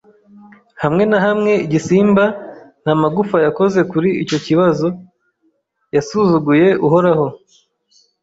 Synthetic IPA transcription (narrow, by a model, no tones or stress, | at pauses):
hamŋe̞naɦamŋe̞iɟisiːmban̥hamaɡufajako̞ze̞kuɾiico̞ciβazo̞ | jasuzuɡuje̞ʔuɦo̞ɾaho̞